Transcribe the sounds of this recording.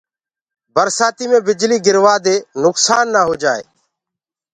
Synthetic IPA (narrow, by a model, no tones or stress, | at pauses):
bəɾsaːt̪iːmẽːbɪd͡ʒliːɡɪɾʋaːd̪eːnʊksaːnːaːɦoːd͡ʒaːḛː